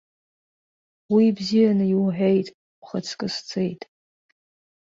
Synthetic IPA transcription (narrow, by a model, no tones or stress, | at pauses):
wibzijanɨiwħʷᶣejtʼ | χat͡sʰkʼɨst͡sʰejtʼ